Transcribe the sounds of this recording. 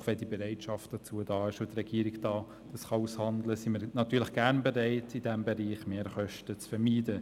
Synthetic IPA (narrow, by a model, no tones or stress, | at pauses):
χʋɛndiːbɛɾɛɪtʃɑft̚d̥ɑt͡suːədɑːɪʃot̪rɛɡ̥iːɾɪɡd̥ɑː | d̥ɑsχɑushɑndləsiməɾnɑtyːləχɡ̥æɾnbɛɾɛɪtid̥æmbɛɾiːχmeːɾχœʃtət͡sfɛɾmiːdə